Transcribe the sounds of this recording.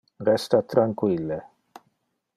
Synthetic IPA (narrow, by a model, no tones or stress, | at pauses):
ɾɛst̪at̪ɾaŋkwilːe